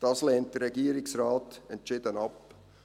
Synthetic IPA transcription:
d̥ɑsleːnt̚d̥əɾɾɛɡiːɾɪksɾɑːtɛntt͡ʃɪdənɑp

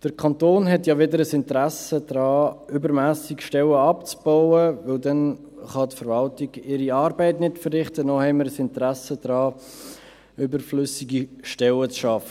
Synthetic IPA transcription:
d̥əɾkʰɑntoːnɦɛtjɑʋɪdəɾəsɪntəɾæsədɾɑːʏbəɾmæːsɪkʃtɛləɑpt͡sb̥ɔʊəvɪldɛn | χɑtfəɾvɑltiɡ̥ɪɾiɑːɾbɛɪtnɪtfəɾːɪχtənɔhɛɪməɾəsɪntɾæsədɾɑː | ʏbəɾflʏsiɡiʃtɛlət͡sʃɑfə

